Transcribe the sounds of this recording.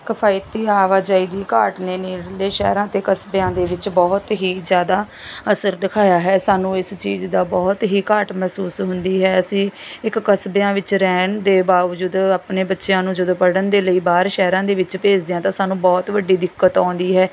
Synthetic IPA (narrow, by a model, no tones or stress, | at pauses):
kəpʰaːit̪iːaːʋaːd͡ʒaːiːd̪iːka̰ːʈneːniːɽleːʃɛ̰ːɾãːt̪eːkəsbeãːd̪eːʋɪt͡ʃbɔːt̪ɦiːzjaːd̪aː | əsəɾd̪ɪkʰaːjaːɦɛːsaːnũːɪst͡ʃiːzd̪aːbɔːt̪ɦiːkaːʈmɛːsuːsɦʊnd̪iːɦɛːəsĩːɪkːəsbeãːʋɪt͡ʃɾɛːnd̪eːbaːʋd͡ʒuːd̪aːpneːbətːʃɪjãːnũːd͡ʒəd̪oːpəɽənd̪eːləiːbaːɾʃɛːɾãːd̪eːʋɪt͡ʃpeːd͡ʒd̪eːãːt̪ãːsaːnũːbɔːt̪ʋəɖiːd̪ɪkːət̪ɔ̃ːnd̪iːɦɛː